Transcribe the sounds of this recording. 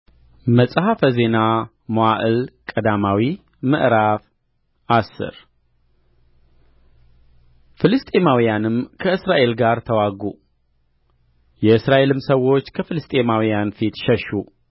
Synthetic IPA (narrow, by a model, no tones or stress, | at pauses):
məsʼhafəze̞na | moaʔɨlkʼəd̪amawi | mɨʔɾaf | ʔasːɨ̰ɾ | fɨlɨst̪ʼe̞mawijanɨmkʰəɨsɾaʔe̞lɡaɾt̪ʰəwaɡu | jɛɨsɾaʔe̞lɨmsəwo̞t͡ʃːkʰəfɨlɨst̪ʼe̞mawijanfit̪ʃɛʃːu